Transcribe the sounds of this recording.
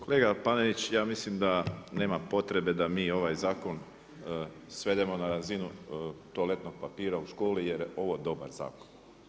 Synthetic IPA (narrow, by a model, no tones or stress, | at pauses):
kole̞ːɡapaneʋit͡ɕjaːmislimd̪ane̞ːmapo̞t̪ɾe̞be̞d̪amiːo̞ʋajzaːko̞n | sʋe̞d̪e̞mo̞naɾazinut̪ole̞t̪no̞ɡ̚papiːɾauʃko̞ːlije̞ɾo̞ʋo̞d̪o̞ba̰ɾza̰ːkon